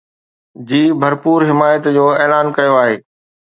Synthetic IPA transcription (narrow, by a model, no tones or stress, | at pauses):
d͡ʑiːbʱɐɾpuːɾɦɪmaːjət̪d͡ʑoːeːlaːnkɐjoaːɦeː